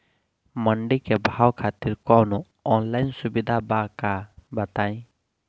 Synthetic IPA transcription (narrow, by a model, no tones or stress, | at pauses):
məɳɖikɛbʱawkʰat̪iɾkɔnɔ | ɔnlajnsubid̪ʱabakabət̪aj̃